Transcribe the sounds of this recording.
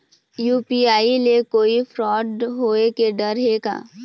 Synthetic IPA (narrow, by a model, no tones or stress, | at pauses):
juːpiaːilekoːifɾɔːɖɦoːekeɖɐɾɦeːɡa̰ː